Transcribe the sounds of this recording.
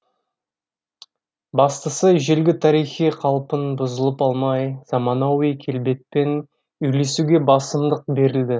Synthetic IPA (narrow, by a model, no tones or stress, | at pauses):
bɑst̪əsəʒelɡʲɪt̪ʰɑɾijχijqʰɑlˠpənbʊzəlˠəpɑlˠmɑjz̥ɑmɑnɑwijkʲʰe̞lbe̞t̪̚pe̞n | ʏjle̞suɡʲe̞bɑsəmd̪əq̚be̞ɾɪld̪ɪ